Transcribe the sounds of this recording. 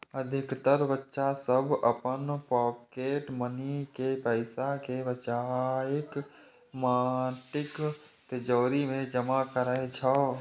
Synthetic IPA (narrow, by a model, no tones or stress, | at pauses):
əd̪ʱɪkt̪əɾbətːʃasəbʱəpənpɔːkeːʈmənikepəɪsakebət͡ʃaɪk | maʈɪkt̪ed͡ʒoːɾimẽd͡ʒəmakəɾəɦt͡ʃʰaː